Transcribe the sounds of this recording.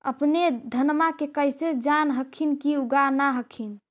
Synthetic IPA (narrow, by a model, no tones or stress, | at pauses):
ə̰pned̪ʱənmakekəjsed͡ʒanɦəkʰinkiuɡanaɦəkʰin